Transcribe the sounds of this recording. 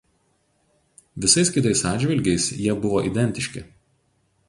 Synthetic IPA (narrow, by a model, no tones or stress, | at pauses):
ʋʲɪsɐɪskʲɪt̪ɐɪsɑːd̪ʲʒʲʋʲɪlʲɡʲɛɪsjiɛbʊʋoːʔid̪ʲɛnʲt̪ʲɪʃʲkʲɪ